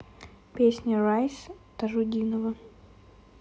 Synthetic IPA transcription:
pʲesʲnʲərajst̪ɐʐʊdʲinəvə

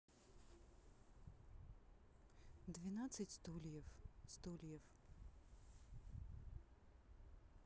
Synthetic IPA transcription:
d̪vʲɪnat̪sɨtʲst̪ulʲjəfst̪ulʲjəf

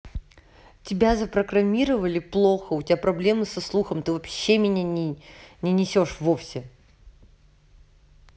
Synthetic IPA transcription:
tʲɪbʲazəpɾəɡɾɐmʲiɾəvəlʲɪplˠoxəʊtʲɪapɾɐblʲe̞mɨsɐslˠuxəmt̪ɨvɐpɕːemʲɪnʲanʲɪnʲɪnʲɪsʲo̞ʂvofsʲɪ

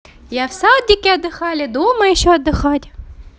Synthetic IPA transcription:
jɑwsɑd̪ʲikɪɐd̪ːɪxɑlʲɐd̪umɐjʊʃɔɐd̪ːɪxɑtʲ

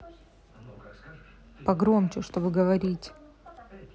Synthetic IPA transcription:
pɐɡɾo̞mt͡ɕʊʂt̪obɨɡəvɐɾʲitʲ

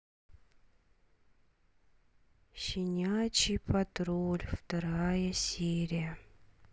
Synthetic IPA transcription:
ɕɪnʲat͡ɕipʰɐt̪ɾolʲft̪ɐɾajəsʲeɾʲijə

